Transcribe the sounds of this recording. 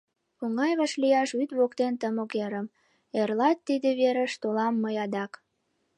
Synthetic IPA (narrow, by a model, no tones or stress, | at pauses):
oŋɑjβɑʃlijɑʃyt̪βokt̪ent̪əmokeɾəm | erlɑt̪ːid̪eβeɾəʃt̪olɑmːəjɑd̪ɑk